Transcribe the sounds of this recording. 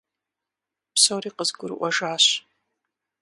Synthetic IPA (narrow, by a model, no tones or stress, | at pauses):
psowɾiːqəzɡʷʊr̰ʔʷɐʒaːɕ